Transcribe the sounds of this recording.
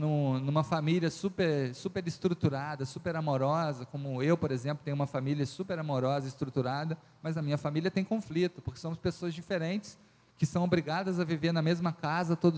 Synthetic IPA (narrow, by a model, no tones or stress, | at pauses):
nũnũmɐfamiliɐsupeɾsupeɾɪst̪ɾut̪uɾad̪ɐsupeɾamoɾɔzɐkõmʊewpoɾezẽplʊt̪ẽj̃umɐfamilʲiɐsupeɾamoɾɔzɐist̪ɾut̪uɾad̪ɐ | mɐznɐmĩɲɐfamiliɐt̪ẽj̃kõflit̪ʊpoɾke̥sõmʊspesoɐzd͡ʒifeɾẽnt͡ʃɪ̥s | kɪsɐ̃w̃obɾiɡad̪ɐzɐviveɾnɐmezmɐkazɐt̪od̪